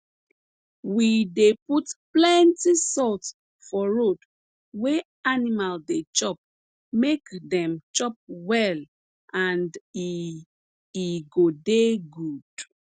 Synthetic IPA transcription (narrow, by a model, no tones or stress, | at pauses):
wideputplɛ̃ntisɔlt | fɔɹod | we | animaldet͡ʃɔp̚ | mekdɛ̃mt͡ʃɔp̚wɛl | ʔãndi | iɡodeɡud̥